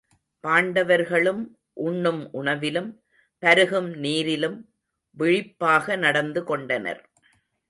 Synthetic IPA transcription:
paːɳɖɐʋɐɾɣɐɭɯm | ʔʊɳːɯmʔʊɳɐʋɪlɯm | pɐɾɯɣɯmniːɾɪlɯm | ʋɪɻɪpːaːɣɐnɐɽɐnd̪ɯkɔɳɖɐnɐ̰ɾ

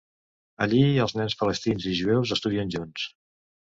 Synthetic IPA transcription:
ə̰ʎiəlˠznɛnspələst̪inziʒuɛwzəst̪uðiənʲʒuns

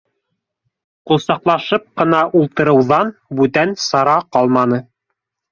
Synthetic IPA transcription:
qulˠsɑqlˠɑʃɤp̚qɤ̆nɑʔulˠt̪ɤ̆ɾɤ̆wðɑnbʉt̪ænsɑɾɑqɑlˠmɑnɤ

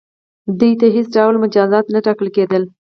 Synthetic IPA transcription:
d̪ujt̪aɦesɖawlmʊd͡ʒɑzɑt̪naʈɑkəlked̪əl

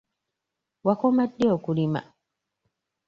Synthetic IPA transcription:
wakɔmadːiɔkuɾima̰

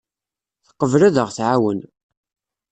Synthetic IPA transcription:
θə̥qːəvlæðəʁθʕawən

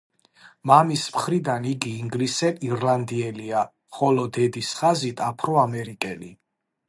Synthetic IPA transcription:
mamismχɾid̪aniɡiːŋɡlisɛiɾland̪iɛlia | χɔlɔd̪ɛd̪isχazit̪ʰapʰɾɔamɛɾikʼɛli

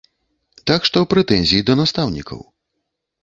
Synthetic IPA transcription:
t̪akʂt̪ɔpɾɛt̪ɛnʲzʲijid̪ɐnast̪awnʲḭkʰɐ̰w

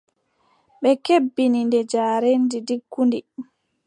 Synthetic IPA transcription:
ɓɛkebːinindɛd͡ʒaːɾendidikːundi

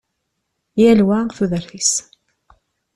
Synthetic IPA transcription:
jælwæθuðəɾθis

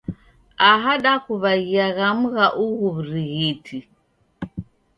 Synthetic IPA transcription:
aɦaɗakuβaɣiaɣam̩ɣaʔuɣuβuɾiɣitʰi

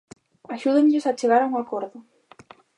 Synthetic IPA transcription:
aʃuðeɲʎosat͡ʃeɣ̞aɾauŋakoɾðʊ

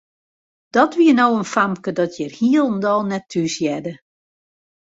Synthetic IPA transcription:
d̥ɔtʋiənowənfamkədɔtʰjərhiəlˠndɔlˠnɛtʰːysjɛdə

